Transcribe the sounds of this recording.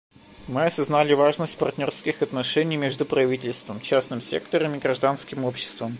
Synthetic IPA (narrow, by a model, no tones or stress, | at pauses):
mɨɐsɐznalʲɪvaʐnəsʲt̚ʲpɐrt̪ʲnʲorskʲɪxɐt̪nɐʂɛnʲɪjmʲeʐd̪ʊpɾɐvʲitʲɪlʲst̪vəmt͡ɕæsnɨmsʲḛkt̪əɾəmɪɡɾɐʐd̪anskʲɪmopɕːɪ̥st̪vəm